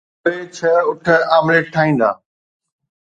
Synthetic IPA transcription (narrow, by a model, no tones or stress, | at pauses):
eːt͡ɕʰəʊʈʰəaːmleʈʰaːĩːnd̪a̰ː